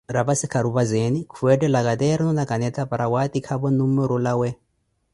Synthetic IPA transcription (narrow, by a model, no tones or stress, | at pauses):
ɾaβasikʰaɾuβazenikʰuɛdɛlakat̪ɛɾnunakanɛt̪apaɾawat̪ikʰaβɔnumɛɾɔlawɛ